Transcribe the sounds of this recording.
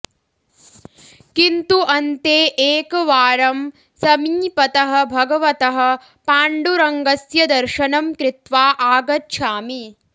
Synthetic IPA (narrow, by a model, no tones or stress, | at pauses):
kint̪uʔɐnt̪eːʔeːkɐʋaːɾɐm | sɐmiːpɐt̪ɐɦɐ̆bʱɐɡɐʋɐt̪ɐɦɐ̆ | paːɳɖuɾɐŋɡɐsjɐd̪ɐɾʃɐnɐmkɾɪt̪ʋaːʔaːɡɐtːʃʰaːmi